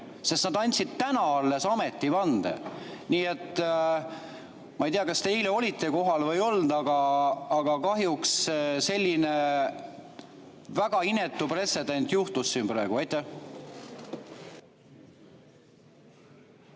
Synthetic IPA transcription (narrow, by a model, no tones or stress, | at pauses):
sest̪nɑd̪ɑnʲt̪sid̪̥t̪ænɑɑlːe̞sɑme̞t̪ːˑivɑnd̪̥ḛniːe̞t̪ːˑ | mɑejt̪ijɑkɑst̪eijleo̞lit̪ːˑe̞ko̞ɦɑlvɤ̞jo̞ld̪̥ɑɡ̥ɑːɡ̥ɑkɑɦjuksse̞lʲːine̞ | væɡ̥ɑine̞t̪ːˑupre̞t̪se̞d̪e̞nʲt̪juht̪usːinpɾɑeɡ̥uɑjt̪ːˑæh